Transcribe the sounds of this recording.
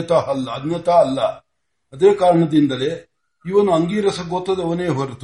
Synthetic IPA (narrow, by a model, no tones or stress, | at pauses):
ɐt̪ɐɦɐlːɐːd̪nɐt̪aːlːɐ | ɐd̪eːkaːɾɐɳɐd̪ind̪ɐle | iʋɐnuɐŋɡiːɾɐsɐɡot̪ːɐd̪eɐʋɐneːɦoɾt̪u